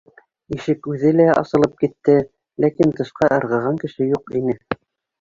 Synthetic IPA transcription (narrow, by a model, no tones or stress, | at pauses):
iʃɘkʉðɘlæʔɑ̰sɤ̆lˠɤp̚kit̪ːɘ | lækint̪ɤ̆ʃqɑʔɤ̆ɾʁɤ̆ʁɑŋkɘ̆ʃɘjuqinɘ